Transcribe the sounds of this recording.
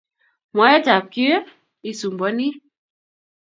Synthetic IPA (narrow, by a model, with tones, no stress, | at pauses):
ma˨˦ɛ˦ta˨p̚ki˦ | i˨su˨mbɔ˦ni˦